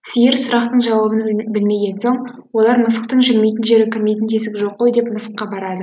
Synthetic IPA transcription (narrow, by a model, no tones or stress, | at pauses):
sijɪɾsʊɾɑqt̪əɴʒɑwɑbənbɪlme̞ɡʲe̞nso̞ɴ | wo̞lˠɑɾməsə̥qt̪əɴʒɪlme̞jt̪ɪnʒe̞ɾɪkʲʰɪɾme̞jt̪ɪnd̪ʰesɪkʲɪʒo̞qːo̞jd̪e̞pməsə̥qːɑbɑɾɑd̪ə